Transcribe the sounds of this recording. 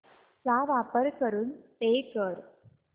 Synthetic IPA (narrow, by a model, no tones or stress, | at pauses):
saːʋaːpɐɾkɐɾunt̪eːkəɾ